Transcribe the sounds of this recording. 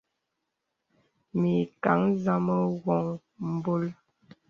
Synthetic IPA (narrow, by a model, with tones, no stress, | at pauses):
mi˨ka˨˦ŋza˦mə˦wɔ˨ŋ | m̩˨bo˦l